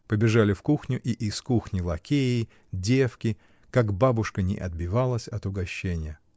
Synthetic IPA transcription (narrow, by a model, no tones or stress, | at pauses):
pəbʲɪʐalʲɪfkuxnʲʊʔiʔɪskuxnʲɪlˠɐkʲeɪ | dʲefkʲɪ | kaɡbabʊʂkənʲɪ̰ʔɐ̰d̪̚bʲɪvalˠəsʲɐt̪ʊɡɐɕːenʲɪjə